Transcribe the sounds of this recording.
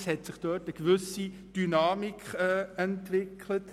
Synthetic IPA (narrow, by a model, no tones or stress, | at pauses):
shɛtsɪχd̥øtəɡ̥vʏsi | d̥ynaːmikɛɛntvɪkʰlət